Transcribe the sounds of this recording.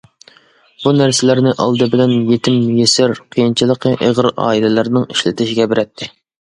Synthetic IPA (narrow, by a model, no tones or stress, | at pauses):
b̥unæɾsɪlæɾnɪʔɑ̰lˠd̪ɨbɪlɛnjet̪ʰɪmjesɪɾqʰijint͡ʃʰilˠəqʰəʔeʁɾɑ̰ːilɪlɪɾnɪŋiʃlɪt̪ʰɪʃɪɡʲɛbɪɾɛt̪ʰːɪ